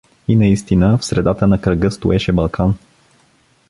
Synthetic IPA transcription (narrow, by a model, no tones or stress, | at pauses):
inɐist̪inəfsɾɛd̪at̪ənɐkɾəɡɤst̪ʊ̰ɛʃɛbɐlˠkʰan